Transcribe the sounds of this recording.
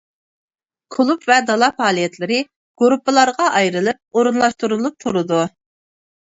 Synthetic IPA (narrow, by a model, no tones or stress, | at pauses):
kʰʊlˠupvɛd̪ɑlˠɑpɑːlˠijɛt̪lɪɾɪ | ɡ̥oɾupːɨlˠɑɾʁɑʔɑjɾɨlˠɨp̚oɾunlˠɑʃt̪uɾulˠup̚t̪ʰuɾɨd̪u